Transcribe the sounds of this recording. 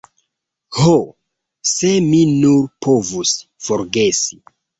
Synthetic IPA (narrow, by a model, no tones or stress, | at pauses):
ho | se̞minuɾpʰo̞vusfoɾɡe̞si̥